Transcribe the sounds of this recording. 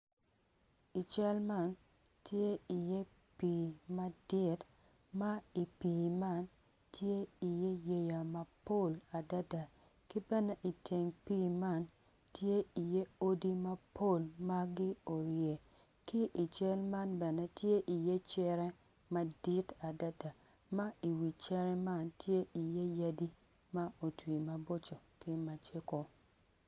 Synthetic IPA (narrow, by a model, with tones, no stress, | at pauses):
i˨t͡ʃɛ˦lma˦˨n | tje˦i˨je˦ | pi˨ma˦dɪ˦t | ma˦i˨pi˨ma˦˨n | tje˦i˨je˦je˦ja˨mɐ˨po˦˨la˨da˦da˨ | ki˦bɛ˦nɛ˦ʔi˨tʰe˨ŋpi˦ma˦˨n | tje˦i˨je˦o˦di˦ma˦pʰo˦˨lma˦ɡɪ˦o˨ɾje˨ | kɪ˦ʔi˨t͡ʃɛ˦lma˦nbɛ˨nɛ˦tje˦ʔi˨je˦t͡ʃɛ˦ɾɛ˦ | ma˦di˦ta˨da˦da˨ | ma˦i˨wi˨t͡ʃɛ˦ɾɛ˦ma˦ntʰje˦ʔi˨je˦ja˦di˦ | ma˦o˨twi˨ma˨bo˦t͡ʃo˨kɪ˦ma˨t͡ʃe˦ko˨